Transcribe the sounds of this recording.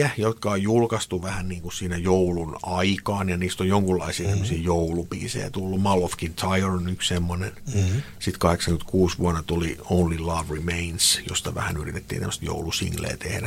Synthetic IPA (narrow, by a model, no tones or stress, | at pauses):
æjot̪kɑojjulkɑst̪uʋæhænniːŋkussiːnæjoulunɑikɑːnjɑniːst̪ojoŋkulːɑ̰isiːt̪emːøsiːjoulupḭːsḛjæ̰t̪ulːumɑlofkint̪ʰɑioronykssemːonen | sit̪kɑheksɑŋkynt̪kuːsʋuɑnːɑt̪uliounlilɑːʋrimeinsjo̰st̪ɑʋæ̰hænyrit̪et̪ːḭːntemːəst̪jo̰ulusḭŋlḛːt̪ḛhɾæ